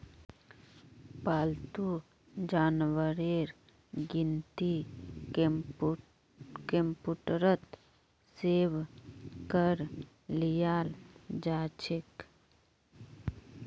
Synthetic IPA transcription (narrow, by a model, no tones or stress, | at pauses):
paːlt̪u | d͡ʒaːnwəɾeːɾ | ɡɪnt̪i | kempuːʈɾət̪ | seːʋkəɾ | lijaːld͡ʒaːt͡ʃʰɪk